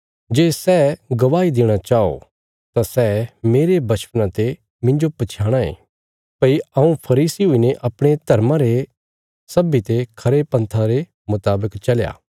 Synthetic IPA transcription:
d͡ʒeːsɛːɡɐʋaːid̪eːɽ̃at͡ʃaːo̰ | t̪ãsɛmeːɾebɐʃpnãt̪e | mɪ̃ɲd͡ʒopɐt͡ʃʰaːɽ̃aḛ̃ː | pɐiɐũpʰɐɾiːsiɦʊineʔɐpɽ̃et̪ɐɾmãɾe | sɐbit̪ekʰɐɾepɐ̃nt̪ʰaɾe | mʊt̪aːbəkt͡ʃɐlja̰ː

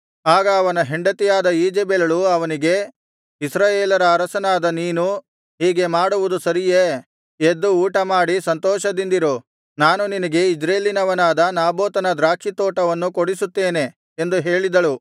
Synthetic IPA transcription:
aːɡɐːʋɐnɐɦeɳɖɐt̪ijaːd̪ɐiːd͡ʒebelɐɭuɐʋɐniɡe̞ | isɾaːjeːlɐɾɐːɾɐsɐnaːd̪ɐniːnu | ɦiːɡe̞maːɽuʋud̪usɐɾijeː | ed̪ːuuːʈɐmaːɽisɐnt̪ɔːʃɐd̪ind̪iɾo | naːnuninɐɡe̞id͡ʒɾeːlinɐʋɐnaːd̪ɐnaːboːt̪ɐnɐd̪ɾaːkʂit̪oːʈɐʋɐnːukoɽisut̪ːe̞ːne̞ | end̪uɦeːɭid̪ɐɭu

